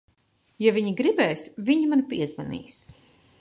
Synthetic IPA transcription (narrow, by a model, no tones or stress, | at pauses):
javiɲiɡɾibɛːsviɲimanpiɛzva̰nḭːs